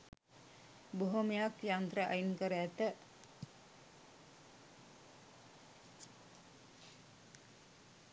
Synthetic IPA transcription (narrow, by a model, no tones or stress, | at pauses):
boɦomejakjant̪ɾəʔɐ̰jinkəɾəæt̪ə